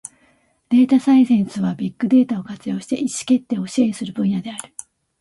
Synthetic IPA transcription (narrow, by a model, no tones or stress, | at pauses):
d̪̥e̞ːt̪asaisẽɰ̃sɨβabʲikːɯ̟d̪e̞ːt̪ao̞kat͡sɨjo̞ːɕi̥t̪e̞̰ʔiɕi̥ke̞t̪ːe̞o̞ɕiẽ̞ɰ̃sɨɾɯ̟bɯ̟̃ɰ̃jad̪e̞aɾɯ̟